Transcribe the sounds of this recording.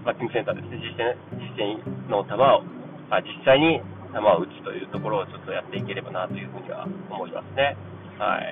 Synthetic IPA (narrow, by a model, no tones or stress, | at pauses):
bakːĩŋɡɯ̟s̬ent̪aːd̪e̞sɨne̞d͡ʑisːãɕi̥sẽɲno̞t̪amao | ad͡ʑisːaiɲ̟i | t̪amaoɯ̟t͡ɕi̥t̪o̞̰jɯ̟̰ːt̪o̞ko̞ɾo̞ːt͡ɕo̞t̪ːo̞jat̪ːe̞ike̞ɾe̞banat̪o̞jɯ̟ːɸɯ̟ːɲ̟iβa̰omo̞ima̰sɨne̞ | ha̰ḭ